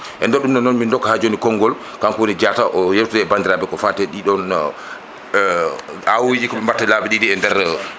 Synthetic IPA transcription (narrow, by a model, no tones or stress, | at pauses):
ʔɛ̰ndɛɗumɗɔnɔnmindɔkːahad͡ʒonikɔŋɡɔl | kamkwonid͡ʒataʔɔjeftuɛɛbandiɾabɛkɔfatɛɗiɗɔn | awid͡ʒikɔɓɛmbatːalabiɗidiɛndɛɾ